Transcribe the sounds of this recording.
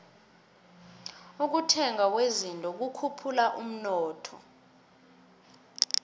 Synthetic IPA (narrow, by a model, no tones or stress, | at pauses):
uk̬utʰɛŋak̬wezintʼɔk̬ukʰupʰulaʔum̩nɔːtʰɔ̰